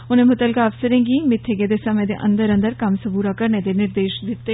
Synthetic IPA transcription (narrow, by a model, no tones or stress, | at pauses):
ʊnẽːmʊt̪əlkaəfsəɾẽːŋɡiːmɪt̪ʰːeɡeːd̪eːsəmẽːd̪ḛʔə̰̃nd̪əɾə̃nd̪əɾkəmsəbuːɾaːkəɾneːd̪eːnɪɾd̪eːʃd̪ɪt̪ːeː